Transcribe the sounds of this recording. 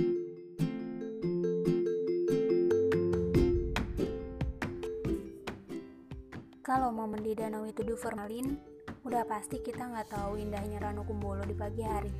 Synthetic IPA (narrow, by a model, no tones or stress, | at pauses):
kalawmaməndidanawit̪udufəralin | udahpast̪ikit̪aŋɡat̪auindaɦɲaɾanukumbɔlɔdipaɡiɦaɾi